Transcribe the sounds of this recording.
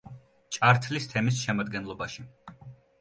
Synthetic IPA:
t͡ʃʼaɾt̪ʰlist̪ʰɛmisʃɛmad̪ɡɛnlˠɔbaʃi

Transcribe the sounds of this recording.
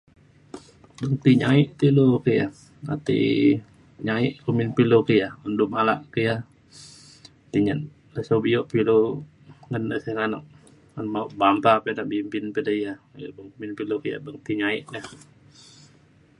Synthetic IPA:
bəŋt̪iɲaiʔt̪ilokəja̰ | a̰t̪ḭ | ɲaiʔkuminpilokəjaundumalaʔkəja | t̪iɲən | ləsobijoʔpilo | ŋənəsəŋanɔ̰ʔ̚ | ənmauʔbampapenaʔbimpinpədəjabəŋkuminpilokəja̰bəŋt̪iɲaiʔnəh

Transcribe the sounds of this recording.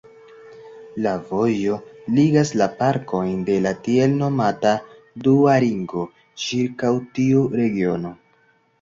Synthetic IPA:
lavo̞jo̞liɡaslapaɾko̞jnde̞latielno̞mata | duaɾiŋɡo̞ | t͡ʃiɾkawtiuɾe̞ɡio̞no̞

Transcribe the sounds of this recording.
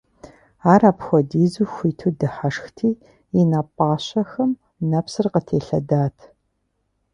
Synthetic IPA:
aːɾaːpxʷɔdiːzuxʷiːtʰuːdɨħaʂxtʰiː | inaːpʼɑːɕɐxɐm | nɐpsɨrqətʰeːɬɐ̰daːtʰ

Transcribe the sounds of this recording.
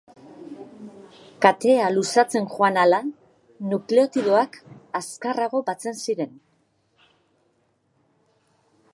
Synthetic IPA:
kat̪e̞alusat͡se̞nʝoanala | nukleot̪iðo̞akaskaraɣo̞bat͡se̞nsiɾe̞n

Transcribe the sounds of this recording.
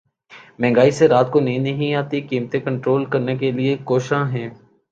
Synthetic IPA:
mɛ̃ːŋɡaːiseɾaːt̪̚konɐɦĩnɐɦĩaːt̪ikiːmt̪ẽkə̃ɳʈɾoːlkɐɾnekeliekoːʃãɦɛ̃ː

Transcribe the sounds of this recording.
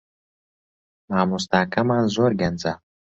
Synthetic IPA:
maːmust̪akʰamanzoɾɡanza

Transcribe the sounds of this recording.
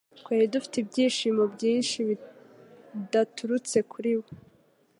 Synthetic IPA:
kweːɾidufi̥tibɟiːʃiːmo̞bɟiːnʃiβi | datʰuɾut͡se̞kʰuɾiwo

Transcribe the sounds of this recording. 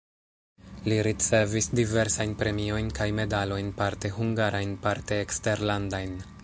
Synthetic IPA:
liɾit͡se̞visdive̞ɾsajnpɾe̞mio̞jnkajme̞dalo̞jnpaɾte̞huŋɡaɾajnpaɾte̞ːkste̞ɾlandajn

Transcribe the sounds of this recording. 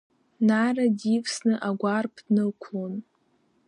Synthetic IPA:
naradikʷʰʼsnɨʔaɡʷarpʰdnɨkʷʰlon

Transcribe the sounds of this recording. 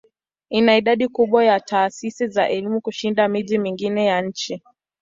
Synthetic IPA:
inaiɗaɗikuɓwajataːsisizaʔɛlimukuʃindamiʄimiŋɡinɛjanɲ̩t͡ʃi

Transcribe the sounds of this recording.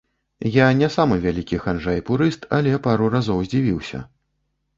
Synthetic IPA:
janʲɛsamɨvʲalʲikʲixanʐajpuɾɨst̪ʰalʲɛpaɾurazɔwzʲd͡zʲivʲiwsʲɐ̰

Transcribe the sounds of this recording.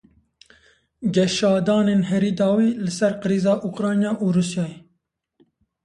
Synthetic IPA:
ɡɛʃɑːd̪ɑːneːnɦɛɾiːd̪ɑːwiːlɪsɛɾqɨɾiːzɑːʔukɾɑːnjɑːʔuːɾuːsjɑːje

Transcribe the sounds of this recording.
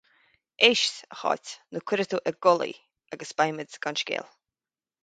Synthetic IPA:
ʔɪʃsəxɔ̰tʲnukʰwɪɾət̪uʔəɡɔlḭ | aɡəsb̥ajmədɡ̥anʃkɛ̰lˠ

